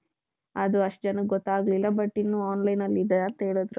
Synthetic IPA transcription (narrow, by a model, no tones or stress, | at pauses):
ɐd̪uɐʂʈɐd͡ʒɐnɐɡɔt̪ːaːɡɐlilːɐbɐʈːinːuːaːnlɐjnɐlːid̪eɐnt̪ɐɦeːɭud̪ɾu